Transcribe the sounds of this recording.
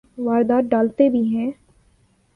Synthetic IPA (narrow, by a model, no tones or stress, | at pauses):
ʋaːɾd̪aːɖaːlt̪ebʱiɦɛ̃ː